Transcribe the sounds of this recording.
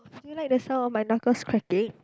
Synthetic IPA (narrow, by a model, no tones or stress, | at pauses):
ulajk̚dəsãmɔfmajnɔkəskʰɹɛkɪ̃ŋ